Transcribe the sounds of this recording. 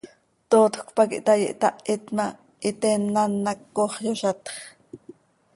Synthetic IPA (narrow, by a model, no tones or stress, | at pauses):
t̪oːt̪kpɑkḭʔt̪ɑjḭʔt̪ɑʔit̪mɑ | ʔit̪ɛnːɑnːɑkːoχjoʃɑt̪χ